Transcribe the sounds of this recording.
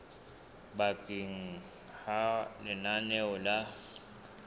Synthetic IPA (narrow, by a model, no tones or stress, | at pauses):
bakʼiŋ̩ | halɪnanɛɔla